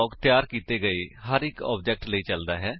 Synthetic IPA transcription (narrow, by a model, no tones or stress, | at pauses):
ɔːkt̪jaːɾkiːt̪eːɡəeːɦəɾɪkɔ̰ːb̚d͡ʒɛːk̚ʈləiːt͡ʃəld̪aːɦɛː